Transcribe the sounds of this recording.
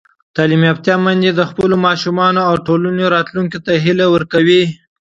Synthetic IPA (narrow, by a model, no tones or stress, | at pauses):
t̪ɑlimap̚t̪jɑmand̪ed̪əxpəlomɑʃumɑnoawʈolanoɾɑt̪luŋkit̪aɦilawəɾkawi